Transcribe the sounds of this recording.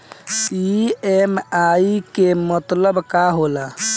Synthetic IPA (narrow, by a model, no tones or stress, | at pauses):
iemaikemət̪ləbkaɦola